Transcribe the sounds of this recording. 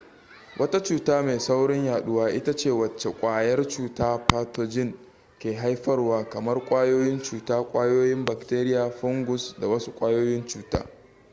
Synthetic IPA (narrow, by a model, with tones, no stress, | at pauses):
wʔɐ˦ta˦t͡ʃuː˦taː˦meː˨sa˦wɽɪ˦ɲjaː˨ɗʊ˦waː˦ʔɪ˦ta˦t͡ʃeː˦˨wɐ˨t͡ʃːe˨kʷʼaː˨jɐ˦rt͡ʃuː˦taː˦ɸaː˦toː˦d͡ʒɪ˦ŋ | kʲeː˨ɦa˦jɸɐ˦rwaː˨˦kɐ˨mɐ˦rkʷʼaː˦joː˦jɪ˦nt͡ʃuː˨taː˦kʷʼaː˦joː˦jɪ˦mba˨kteː˦ɾɪ˦jaː˨ɸʊ˦ŋɡʷʊ˨sda˨wɐ˦su˦kʷʼaː˦joː˦jɪ˦nt͡ʃuː˦ta̰ː˦